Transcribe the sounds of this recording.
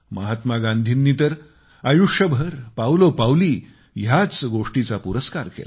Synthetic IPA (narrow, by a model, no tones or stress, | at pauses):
məɦat̪maɡãnd̪ʱiːnːiːt̪əɾ | ajuʂjəbʱəɾpawlopawliː | jat͡sɡoʂʈit͡sapuɾəskaɾkḛla